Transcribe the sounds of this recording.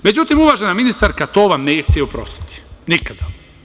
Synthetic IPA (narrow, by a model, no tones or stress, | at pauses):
med͡ʑut̪imuʋaʒenaminist̪aɾkat̪oːʋamnejext͡ɕʲeupɾo̞̰st̪i̥t̪i̥nikad̪̥a